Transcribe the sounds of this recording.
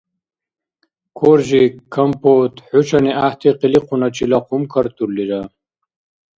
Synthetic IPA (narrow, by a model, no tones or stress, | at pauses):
kʰoɾʑikʰːɐmpot̪ħut͡ɕaniaht̪iqiliqunat͡ɕilaqumkʰɐɾt̪ulːiɾa